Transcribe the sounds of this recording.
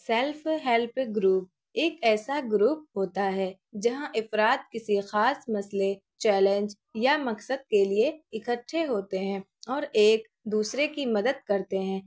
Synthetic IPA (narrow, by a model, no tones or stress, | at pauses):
sɛlfɦɛlpʰɡɾuːp̚ | eːkɛːsaɡɾuːp̚ɦoːt̪aɦɛː | d͡ʒɐɦãʔɪfɾaːt̪̚kɪsixaːsmɐsle | t͡ʃɛːlẽnd͡ʒ | jamɐksəd̪̚kelieɪkəʈʰːeɦoːt̪eɦɛ̃ː | ɔːɾeːk | d̪uːsɾekimɐd̪əd̪̚kɐɾt̪eɦɛ̃ː